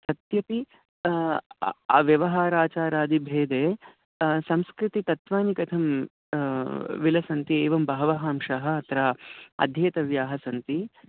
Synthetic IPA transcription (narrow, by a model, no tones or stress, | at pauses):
t̪ɐt̪jɐp̪i | a̰ːʋjɐʋɐɦaːɾaːt͡ʃaːɾaːd̪ibʱeːd̪eː | sɐmskɾit̪it̪ɐt̪ʋaːnikɐt̪ʰɐm | ʋilɐsɐnt̪ieːʋɐmbɐɦɐʋɐɦaːmʃaɦɐ̆ɐt̪ɾaːɐ̰d̪ʱjeːt̪ɐʋjaːɦɐsɐnt̪i